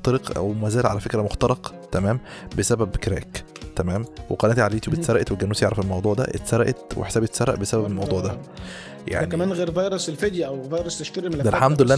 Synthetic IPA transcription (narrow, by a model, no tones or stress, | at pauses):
t̪ɑɾeqʔæ̰wmæzæːlʕalæfekɾæmoxt̪ɑɾˤɑqt̪æmæːmbesæbæbkɾæ̰ːkt̪æmæːmweqɑnæːt̪iʕaliːt̪iwbet̪sɑɾˤɑʔet̪weɡænuːsjeʕɾˤɑfelmɑwd̪ˤuːʕd̪æ̰ʔḛt̪sɑɾˤɑʔet̪wḛħe̥sæːbet̪sɑɾˤɑʔbesæbæbelmɑwd̪ˤuːʕd̪æ | ja̰ʕnimæːnɣeːɾvɑjɾˤeselfed̪jæʔæwvɑjɾˤɑseʃt̪eɾmd̪ælħamd̪elːʔæ